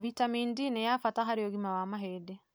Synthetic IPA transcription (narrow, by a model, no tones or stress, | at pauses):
vitamiːndinɛjafataɦaɾeɔɣimawamaɦedɛ